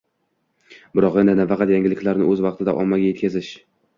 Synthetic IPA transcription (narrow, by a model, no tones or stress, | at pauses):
bɪɾɒqend̪ɪnafɑqɑt̪jaŋɡʲɪlɪkʲlaɾnɪ̰ɵzvɑq̚t̪ʰɪd̪a̰ʔɒmːaɡʲaje̞t̪kʲʰazɪʃ